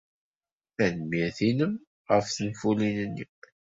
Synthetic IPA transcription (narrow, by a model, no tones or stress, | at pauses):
θænmːiɾθinəm | ʁəfθənfulinənːḭ